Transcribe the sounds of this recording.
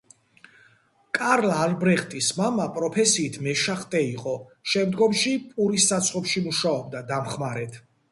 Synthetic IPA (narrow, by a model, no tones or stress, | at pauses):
kʼaɾlaːlbɾɛχt̪ʼismamapʼɾɔpʰɛsiːt̪ʰmɛʃaχt̪ʼɛiqʼɔʃɛmd̪ɡɔmʃipʼuɾisːat̪sʰχɔpʃimuʃaɔb̚d̪ad̪amχmaɾɛt̪ʰ